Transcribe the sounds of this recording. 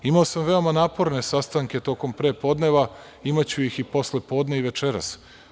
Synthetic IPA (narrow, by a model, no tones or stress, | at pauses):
imaosamʋe̞o̞manaːpo̞ɾne̞sast̪aŋk̟e̞t̪o̞ko̞mpɾeːpo̞ːd̪ne̞ʋa | imat͡ɕujixipo̞sle̞po̞ːd̪ne̞iʋe̞t͡ʃeɾa̰s